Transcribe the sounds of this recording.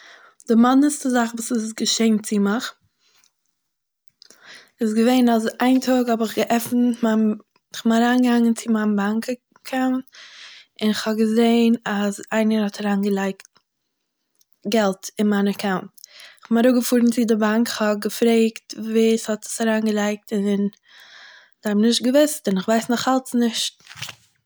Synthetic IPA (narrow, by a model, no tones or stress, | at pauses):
d̥ɪmandəstəzaχvuːsɪsɡəʃeɪnt͡sɪmɪχ | ɪs̬ɡəveɪnazaɪntʰɔːɡhɔbɪχɡəʔɛfn̩man | ɪχmaɾaːnɡəhaŋənt͡sɪmanbaŋkə | kʰaʊnt | ɪnɪχhɔbɡəzeɪnazaɪnəɾhɔtʰaɾaːnɡəlˠaɪkt̚ | ɡɛlˠtɪnmanəkʰaʊntɪχɔmaɾʊɡəfuːɾn̩t͡sɪdɪbaŋkhɔb̚ɡəfɾeɪktviːshɔtɪ̥saɾaːnɡəlˠaɪk̚tɪn | d̥amnɪʃt̚ɡəvɪstɪnɪχvaɪsnɔχalˠtnɪʃt̚